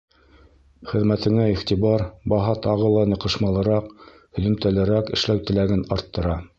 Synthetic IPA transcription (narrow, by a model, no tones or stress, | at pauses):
χɘ̆ðmæt̪ʰɘ̆ŋæiχt̪ibɑɾbɑɦɑt̪ɑʁɤlˠɑnɤ̆qɤ̆ʃmɑlˠɤ̆ɾɑq | hɵ̆ðɵ̆mt̪ælɘɾækɘ̆ʃlæwt̪ɘ̆læɡɘnɑɾt̪ːɤ̆ɾɑ